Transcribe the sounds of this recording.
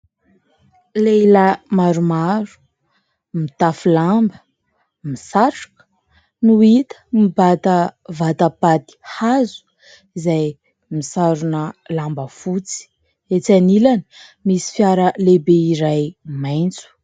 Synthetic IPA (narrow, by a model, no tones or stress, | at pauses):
leləmaɾumaɾu̥ | mit̪afulambə | misaʈ͡ʂḁkə̥ | nuit̪ə̥mibat̪əvat̪apat̪i̥hazu̥ | izaj | misaɾunəlambəfut͡si̥ | et͡sanilani̥misi̥fjaɾəlebeiɾajmajnt͡su̥